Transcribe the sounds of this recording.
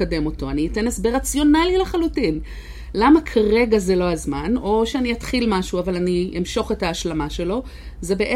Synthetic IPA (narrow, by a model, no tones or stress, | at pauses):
ade̞mo̞to̞aniite̞nesbeʁat͡sjo̞nalileχalutin | lamakʰaʁe̞ɡaze̞lo̞azmano̞ʃeanijatχilmaʃuavalaniʔimʃo̞χe̞taːʃlamaʃe̞lo̞ | ze̞be̞ʔe